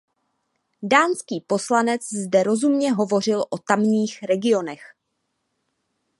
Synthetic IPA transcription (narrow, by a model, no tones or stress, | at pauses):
daːnskiːpo̞slanɛt͡szdɛɾo̞zumɲɛɦo̞vo̞r̝ɪlʔot̪amɲiːxɾɛɡɪo̞nɛx